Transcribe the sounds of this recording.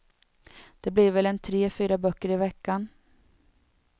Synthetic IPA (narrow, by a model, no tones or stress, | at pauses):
d̪̥ɛblɪɾvɛlɛnt̪ʰɾeːfyːɾabœkːəɾɪvɛkːan